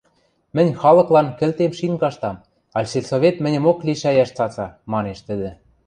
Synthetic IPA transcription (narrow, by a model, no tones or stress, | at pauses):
mɘ̆nʲxɑlɤ̆klɑnkɘ̆lt̪emʃiŋɡɑʃt̪ɑm | ɑlʲselsoβet̪mɘ̆nʲə̆mokliʃæjæʃt͡sɑt͡sɑmɑneʃt̪ə̆d̪ɘ̆